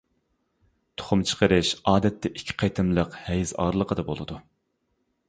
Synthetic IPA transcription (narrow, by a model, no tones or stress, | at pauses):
t̪ʰo̥χʊmt͡ʃʰə̥qəɾɨʃɑːd̪ɛt̪ʰːɛʔikʲʰːɪ̥qʰɑjt̪ʰɨmlˠəqhɛjzɑ̰ːɾlˠəqʰəd̪ɑbolˠɨd̪u